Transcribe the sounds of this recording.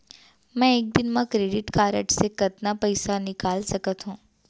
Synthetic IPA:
mɛ̃eːk̚d̪ɪnmãkɾeːɖɪʈkaːɾəʈsekɐt̪napɐɪsanɪkaːlsɐkət̪ɦũː

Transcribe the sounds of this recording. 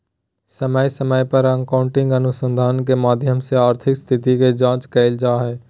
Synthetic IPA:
səməjsəməjpəɾə̃ŋkaːʊ̃ɳʈɪ̃ŋɡənʊsə̃nd̪ʱaːnk̬emaːd̪ʱjəmseaːɾt̪ʰɪkst̪ʰɪt̪iked͡ʒãːt͡ʃkɛɪld͡ʒaːɦɛː

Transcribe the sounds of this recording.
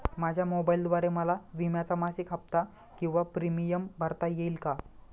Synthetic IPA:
mad͡ʑʱjamobaild̪ʋaɾeməlaʋimjat͡samaɕikʰap̚t̪a | kĩw̃ʋapɾimijəmbʱəɾt̪ajeilka

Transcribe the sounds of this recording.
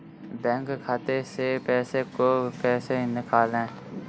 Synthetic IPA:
bɛ̃ːŋkkʰːaːt̪esepɛːsekopɛːsenɪkʰaːlɛ̃ː

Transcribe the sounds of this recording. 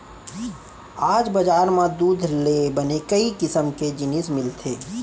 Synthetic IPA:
aːd͡ʒbəd͡ʒaːɾmãd̪uːd̪ʱlebənekəikɪsəmked͡ʒɪnismɪlt̪ʰeː

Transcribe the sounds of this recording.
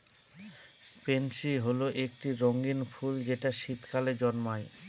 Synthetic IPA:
pensiɦoloʔek̚ʈiɾoŋɡinfʰuld͡ʑeʈaʃit̪kaled͡ʑɔnmae

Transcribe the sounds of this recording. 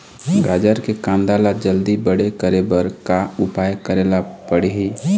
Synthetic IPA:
ɡaːd͡ʒəɾkekãnd̪alad͡ʒəld̪ibəɽekəɾebəɾkaʊpajkəɾelapəɽiɦi

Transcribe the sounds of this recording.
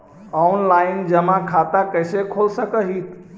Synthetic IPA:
ɔnlajind͡ʒəmakʰat̪akəjsekʰolsəkəɦit̪

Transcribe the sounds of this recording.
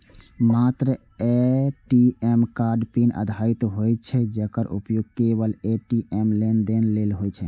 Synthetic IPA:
mat̪ɾə | eʈiemkaɾɖpinə̰d̪ʱait̪ɦojt͡ʃʰɛd͡ʒekəɾʔṵpjoɡ̚kebəleʈiemlend̪enlelɦojt͡ʃʰɛ

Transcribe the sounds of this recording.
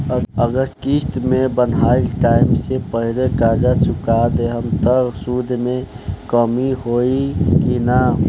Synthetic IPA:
əəɡəɾkist̪mẽbənailʈaɪmsepəɦiɾekaːd͡ʒat͡ʃʰʊkad̪eɦəmt̪əɾsud̪ʱmẽkəmiɦoikina

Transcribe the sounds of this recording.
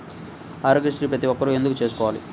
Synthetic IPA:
aːɾɡesʈɾipɾɐt̪iʋɔkːɐɾue̞nd̪ukut͡ʃeːsu̥kɔːʋaːlḭ

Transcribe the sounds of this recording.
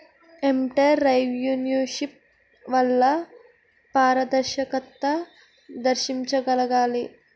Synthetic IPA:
emʈɐjɾɐjʋjuːnjuʃip̚ | ʋɐlːɐ | paːɾɐd̪ɐɾʃɐkɐt̪ːɐ | d̪ɐɾʃiɲt͡ʃɐɡɐlɐɡaːli

